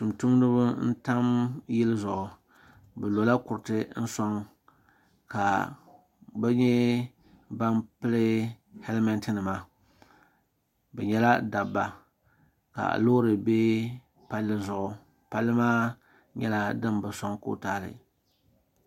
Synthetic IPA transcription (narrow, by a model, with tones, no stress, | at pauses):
tu˨mtu˦m˦nɨ˦bʊ˦n̩˦ta˦mjɪ˦lɨ˦zʊ˨ʔʊ˨ | bɛ˨lo˨la˦kʊ˨ɾɨ˨tɨ˦n̩˦sɔ˦ŋ | ka˨ | bɛ˦ɲɛ˦ | ba˦npɨ˦lɨ˦ | hɛ˦lma˦ntɨ˦nɨ˨ma˨ | bɛ˨ɲɛ˦la˦da˨bːa˨ | ka̰˨lo˦ɾɨ˨be˦ | pa˦lːɨ˦zʊ˨ʔʊ˨ | pa˦lːɨ˦maː˦ | ɲɛ˦la˦dɨ˦mbɨ˨sɔ˦ŋko̰˦taː˦˨lɨ̰˨